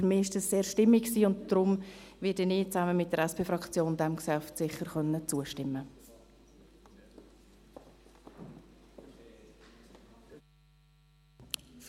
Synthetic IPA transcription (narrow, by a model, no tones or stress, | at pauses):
ɾmɪːɪʃd̥ɑsseːɾʃtɪmːiksiːʊntd̥ɾʊmvɪdənɪːt͡sæməmɪtdəɾɛspʰeːfɾɑkt͡sjoːndɛmksɛftsɪχəɾχœnːət͡suəʃtɪmːə